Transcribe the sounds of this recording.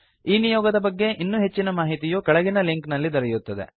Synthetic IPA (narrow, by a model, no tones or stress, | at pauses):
iːnijɔːɡɐd̪ɐbɐɡːe̞ʔinːuːɦe̞t͡ʃːinɐmaːɦit̪ijuːkɐɭɐɡinɐliŋknɐlːid̪ɐɾɐjut̪ːɐd̪e̞̰